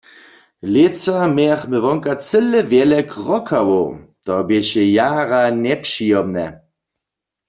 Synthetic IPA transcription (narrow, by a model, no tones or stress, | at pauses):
let͡samaχmɪʋɔŋkat͡sɘlːɛvjɛlɛkʁɔkʰawot̪ɔbjɛɕɛjaːɣanɛpʂijɔmnɛ̰